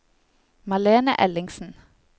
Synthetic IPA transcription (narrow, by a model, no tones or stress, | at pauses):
mɑleːnə̰ʔɛlɪŋsn̩